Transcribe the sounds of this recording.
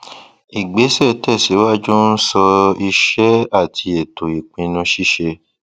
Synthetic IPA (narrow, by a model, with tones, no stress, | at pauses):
i˨ɡ͡be˨˦sɛ˦˨tɛ˦˨si˨˦wa˦˨d͡ʒu˦n̩˦sɔ˧i˧ʃɛ˦a˦˨ti˧e˨to˨i˨k͡pĩ˧nũ˧ʃi˦˨ʃe˧